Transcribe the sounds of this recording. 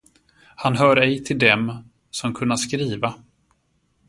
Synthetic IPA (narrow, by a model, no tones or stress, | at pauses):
hanɦœːɾɛjt̪ʰɪld̪ɛm | sɔmkʰɵnːaskɾiːva